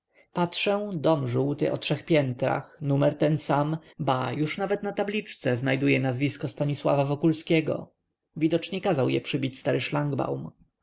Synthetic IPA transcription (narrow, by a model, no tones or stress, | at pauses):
patʂɛ̃d̪ɔmʐuwt̪ɘ̰ʔɔtʂɛxpʲjɛnt̪ɾa̰xnumɛɾt̪ɛnsambajuʂnavɛt̪nat̪ablʲit͡ʂt̪sɛznajd̪ujɛnazvʲiskɔst̪aɲiswa̰vavɔkulskʲɛɡɔ̰ | vʲid̪ɔt͡ʂɲɛkazawjɛ̰pʂɘbʲit͡ɕst̪aɾɘʂlaŋɡba̰wm